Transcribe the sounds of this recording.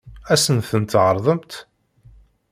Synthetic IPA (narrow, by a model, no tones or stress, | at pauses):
æsənθənt̪ʕəɾˤðˤəmt̪